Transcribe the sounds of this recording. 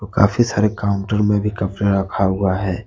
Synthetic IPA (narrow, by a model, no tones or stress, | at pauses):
oka̰ːfʰisaːɾekaːʊ̃ɳʈəɾmẽbʱikɐpɾeɾɐkʰaɦuaɦɛː